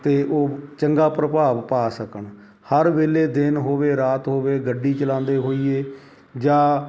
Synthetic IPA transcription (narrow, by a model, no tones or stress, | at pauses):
t̪eːʔoːt͡ʃəŋɡaːpɾəpaːʋpaːsəkəɳ | həɾʋeːleːd̪ɪnɦoːʋeːɾaːt̪ɦoːʋeːɡəɖːiːt͡ʃəlãːnd̪eːɦoːiːeː | d͡ʒãː